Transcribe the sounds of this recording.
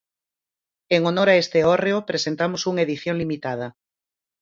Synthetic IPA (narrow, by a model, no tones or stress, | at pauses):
eŋonoɾaest̪eoreopɾesent̪amosuŋaeðiθjoŋlimit̪að̞ɐ